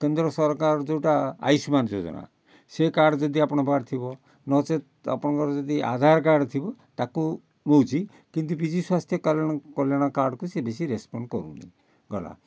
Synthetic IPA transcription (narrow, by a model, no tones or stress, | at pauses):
kend̪ɾɔsɔɾkaɾɔd͡ʒewʈaa̰jsmand͡ʒod͡ʒɔ̰na̰ | sekaɾɖd͡ʒɔd̪iapɔɽ̃ɔbʱaɾt̪ʰibɔ | nɔt͡ʃet̪a̰pɔɽ̃ɔkɔɾd͡ʒɔd̪iʔa̰d̪ʱaɾkaɾɖt̪ʰibɔt̪aku | bowt͡ʃʰi | kint̪ubid͡ʒiswast̪ʰjɔkɔljaɽ̃kɔljaɽ̃ɔkaɾɖkusebesiɾespɔɳɖkɔɾṵna̰ | ɡʱɔ̰ɽa̰